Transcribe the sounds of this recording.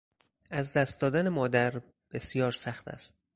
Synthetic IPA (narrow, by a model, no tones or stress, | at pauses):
æzd̪æst̪̚d̪ɒːd̪ænemɒːd̪æɾ | b̥e̞sijɒːɾsæxt̪ʰæ̰st̪̚